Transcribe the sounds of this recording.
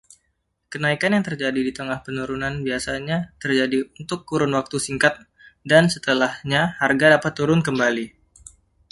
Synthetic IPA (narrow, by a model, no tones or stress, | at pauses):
kənaikanjaŋt̪ərd͡ʒadidit̪əŋahpənuɾunanbiasaɲat̪ərd͡ʒadiunt̪ʊkːuɾʊnwak̚t̪usiŋkat̪̚ | dansət̪əlahɲaharɡadapat̪ːuɾʊnkəmbali